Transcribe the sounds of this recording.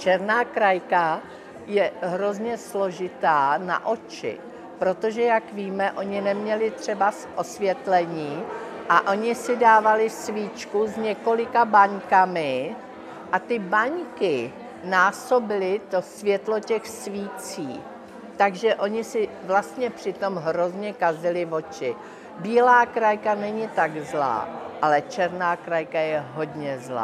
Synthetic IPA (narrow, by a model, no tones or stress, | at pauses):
t͡ʃɛɾnaːkɾajka | jɛɦɾo̞zɲɛslo̞ʒɪt̪aːna̰ʔo̞t͡ʃɪ̰ | pɾo̞t̪o̞ʒɛjakviːmɛʔo̞ɲɪnɛmɲɛlɪt̪r̝̥ɛbasʔo̞svjɛt̪lɛɲiːʔaʔo̞ɲɪsɪdaːvalɪsviːt͡ʃkuzɲɛko̞lɪkabaɲkamɪ | ʔat̪ɪbaɲkɪ | naːso̞bɪlɪt̪o̞svjɛt̪lo̞cɛxsviːt͡sḭː | t̪aɡʒɛʔo̞ɲɪsɪvlast̪ɲɛpr̥ɪt̪o̞mɦɾo̞zɲɛkazɪlɪvo̞t͡ʃɪ | biːlaːkɾajkanɛɲɪt̪aɡzla̰ːʔalɛt͡ʃɛɾnaːkɾajkajɛɦo̞d̪ɲɛzla̰ː